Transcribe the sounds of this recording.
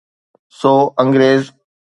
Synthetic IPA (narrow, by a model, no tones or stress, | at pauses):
soːə̃ŋɡɾeːz